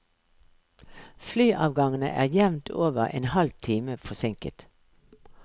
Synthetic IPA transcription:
flyːʔɑːʋɡɑŋənə̰ʔæ̰ːʁjɛʋnt̪ʰoːʋəʁḛːnhɑlt̪ʰiːməfɔsɪŋkə̰t̪

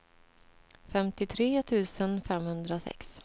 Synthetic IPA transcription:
fɛmt̪ɪt̪ʰɾeːt̪ʰʉ̟ːsənfɛmhɵnd̪ɾasɛ̰ks

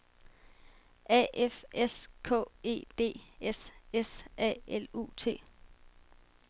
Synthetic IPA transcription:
ʔɛ̰ːʔefeskʰɔ̰̽ːe̝̰ːd̥e̝̰ːesesɛ̰ːelṵːt͡sʰe̝̰ː

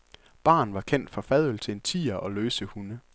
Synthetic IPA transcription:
b̥ɑ̰̈ːnʋɑ̈kʰen̰d̥fɒ̽fɛðˠəl̩t͡sʰe̝e̝nt͡sʰḭːɐʔɒ̽løːsəhunə

